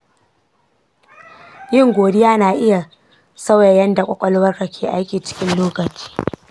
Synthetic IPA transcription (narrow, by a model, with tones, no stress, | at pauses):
jɪ˦˨ŋɡʷoː˨dɪ˦jaː˦naː˨ʔɪ˦ja˨ | sɐ˦wja˨jɐ˦nda˨kʷʼɔ˦˨kʷʼɔ˦lwɐ˦rkɐ˨kʲʰeː˨ʔa˦jkʲiː˨t͡ʃɪ̥˦kʲɪ˦nloː˦kɐ˨t͡ʃi̥ː˦